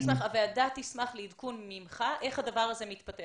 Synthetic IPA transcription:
smaχaveadat̪ismaχleidkunmimχaʔe̞χhad̪avaʁaze̞mit̪pate

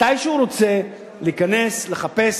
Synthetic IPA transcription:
ajʃeuɾo̞t͡se̞ | liːkane̞sleχape̞s

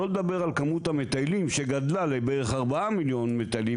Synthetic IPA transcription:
oled̪abe̞ʁalkamut̪hamet̪ajlimʃeɡad̪lalebeʁeχaʁbaamiljo̞nmet̪ajli

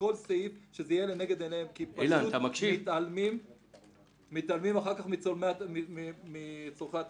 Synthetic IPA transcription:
ko̞lseifʃezeijeleneɡed̪eleemkipaʃanut̪amakʃiit̪almim | it̪almimaχaʁkaχmiomeimimit͡soχat̪

